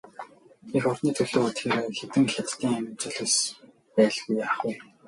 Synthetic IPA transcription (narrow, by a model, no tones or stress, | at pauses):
exʊrniːt̪ʰɵɮ̥oːut̪xeːɾxet̪ɘ̆ŋxʲat̪ːiːŋæmʲɪ̆mt͡ɕɵ̆ɮeːs | pæːɮɣujːaːχuj